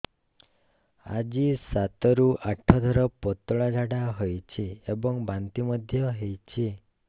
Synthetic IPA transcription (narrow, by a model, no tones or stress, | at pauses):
a̰d͡ʒisat̪ɔɾuʔaʈʰːɔd̪ʱɔɾɔpɔt̪ɔɭad͡ʒʱaɽaɦɔjt͡ʃʰiebɔŋbant̪imɔd̪ʱjɔɦejt͡ʃʰi